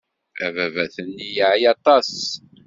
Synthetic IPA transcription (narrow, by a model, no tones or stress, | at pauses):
æ̰vævæθənːijəʕjɑt̪ˤɑs